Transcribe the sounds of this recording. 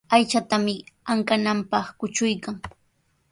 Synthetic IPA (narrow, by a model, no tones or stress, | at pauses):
ajt͡ʃat̪amɪaŋkanampɑχkʊt͡ʃʊjkaŋ